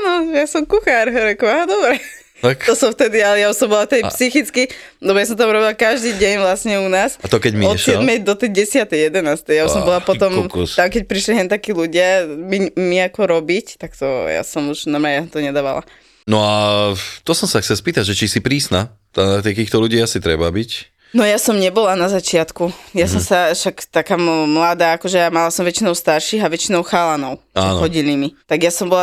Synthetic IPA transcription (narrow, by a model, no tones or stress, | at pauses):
anɔjasɔmkuxaɾɦɔɾɛkɔaɦad̪ɔbɾɛ | t̪akt̪ɔsɔmft̪ɛd̪ialɛjausɔmbɔlat̪ɛjpsixit͡skidɔbɔjas̬ɔ̃mt̪amuɾɔbilakaʒd̪iːɟɛɲʋlasɲɛunaːsat̪ɔkɛɟmiɔɛʃsɛd̪mɛjd̪ɔt̪ɛjɟɛsɪat̪ɛjɛd̪ɛnaːst̪ɛjausɔ̃mbɔlapɔt̪ɔmmkst̪amkɛc̚pɾiʃliɦɛnt̪akiːluɟɪamimiakɔɾɔbict̪akt̪ɔ̰ja̰sɔmuʒnamajat̪ɔɲɛd̪aːʋala̰ | nɔat̪ɔsɔmsaxt͡sɛlspiːt̪aɟʒɛt͡ʃisipɾiːsna | t̪at̪ik̪iːxt̪ɔluɟiːasit̪ɾɛ̰babic | nɔjasɔmɲɛbɔlanazat͡ʃɪat̪kujasɔmsaʃakt̪akaːmmlaːd̪aːkɔʒɛjamalasɔmʋɛt͡ʃinɔʊst̪aɾʃiːɦaʋɛt͡ʃinɔʊxaːlanɔʊaɛnɦɔɟilimit̪aɡjasɔmbɔla